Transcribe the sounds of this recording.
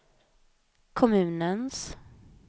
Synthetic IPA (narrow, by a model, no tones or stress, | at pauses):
kʰɔmʉ̟ːnəns